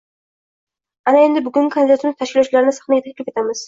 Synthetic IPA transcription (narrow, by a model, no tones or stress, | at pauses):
anae̞nd̪ɪbʊɡʲʊŋkʰand̪ɪd̪at̪ʰɪmɪzt̪ʰaʃkʲɪlɒwt͡ʃɪlaɾɪnɪsḁχnaɡʲat̪akʲlɪfe̞t̪ʰamɪz̥